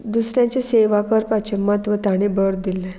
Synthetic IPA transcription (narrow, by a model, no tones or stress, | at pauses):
d̪usɾjãt͡ɕeseʋakəɾpat͡ɕemət̪ʋət̪aɽ̃ibəɽd̪ilːɛ